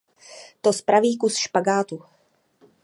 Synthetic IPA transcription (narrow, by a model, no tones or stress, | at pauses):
t̪ospɾaviːkusʃpaɡaːt̪u